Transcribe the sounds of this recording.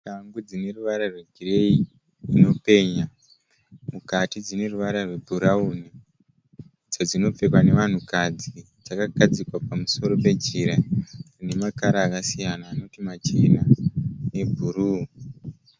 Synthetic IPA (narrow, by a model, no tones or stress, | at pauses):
kaŋɡud͡zine̞ruʋaɾarweɡʱire̞iː | no̞pe̞ːɲa | mukatid͡zine̞ruʋaɾarwe̞bʱuɾauni | d͡z̥ad͡zino̞p͡fe̞kwane̞ʋan̤ukad͡zi | d͡zakaɡʱad͡zikwapamuso̞ɾo̞pe̞d͡ʒiɾarine̞makaɾaːkasijanaːno̞timat͡ʃinane̞bʱuɾu